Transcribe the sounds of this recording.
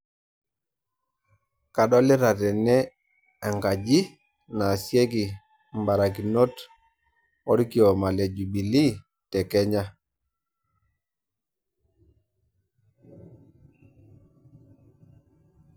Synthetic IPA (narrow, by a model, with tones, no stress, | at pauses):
ka˨ɗɔ˦li˦ɾa˨tɛ˨nɛ˦ | a˨ŋɡa˨ɟi˦ | na˨sjɛ˦ki˨ | mba˨ɾa˨k̬i˨no˦t | ɔ˦ɾi˦ki˨ɔ˨ma˨le˨d͡ʒu˨bi˨li˦ | tɛ˨kɛ˦ɲa˦